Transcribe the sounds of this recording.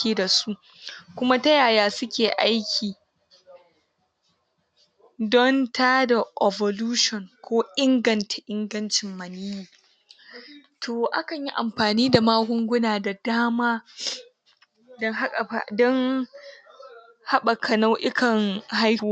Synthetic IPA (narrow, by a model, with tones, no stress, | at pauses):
eː˨da˨su˦ | kʷʊ˦ma˦ta˦jaː˨jaː˦sʊ˦kʲeː˨ʔa˦jkʲʰiː˨ | dɔ˦ntaː˦da˨ʔe˨bɔ˨luː˦ʃɔ˨ŋkʷoː˦ʔɪ˦ŋɡɐ˨ntḁ˨ʔɪ˦ŋɡɐ˦nt͡ʃɪ˨mːɐ˨ni˦jiː˨ | tʰoː˨ʔa̰˦kɐ˨ɲji˦ʔa̰˨mɸaː˨niː˦da˨maː˦ɡʷʊ˦ŋɡʷʊ˦naː˨da˨daː˦maː˦ | dɔ˦ŋɦa˦kʼa˨ɸa̰˨dɔ˦ŋ | ha˦ɓa˨kʰɐ˨na˦wʔɪ˦kʰɐ˨ŋha˦j